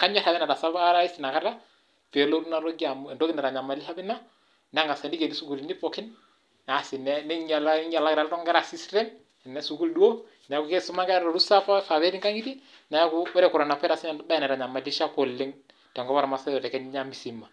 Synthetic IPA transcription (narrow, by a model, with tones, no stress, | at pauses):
ka˦ɲɛ˦ɾa˨bɛ˦na˨ɾa˨sa˦ba˦a˦ɾa˦i˦si˨na˨ka˦ta˦ | pe˨lo˦ɾu˦na˦ɾo˦ɡi˦a˨mu˦ɛ˨ndo˦ki˦nɛ˨ɾa˨ɲa˨ma˨˦li˦ʃa˦bɪ˦na˦ | n˦a˦ŋɡa˨sa˨ndi˦ke˨ni˦su˦ku˨li˨ni˦pɔ˨kɪ˦n | a˨sɪ˨nɛ˦nɛ˦ɲa˨la˦ɲa˨la˦kɪ˨ɾa˨lɾɔ˦ŋɡɛ˦ɾa˨si˦stɛ˦n | ɛ˨nɛ˦su˨ku˦ldu˦o˦ | na˨˦ku˨kɛ˦su˦ma˦ɡɛ˦ɾɾɔ˨ɾu˦sa˦fa˦fa˨βɛ˦ɾi˦ŋka˦ŋi˦ti˦ | na˨jku˦bɔ˦ɾɛ˦kʊ˨ɾa˨na˨pɛ˦ɾa˨sɪ˦nɛ˨˦ba˦ɛ˨nɛ˨ɾa˨ɲa˨ma˨li˦ʃa˦kɔ˨lːɪ˦ŋ | tɛ˨ŋɡɔ˦βa˦ɾa˨ma˨sa˦jɔ˨tɛ˨kɛ˦ɲ˦ɲa˦mi˨si˨ma˨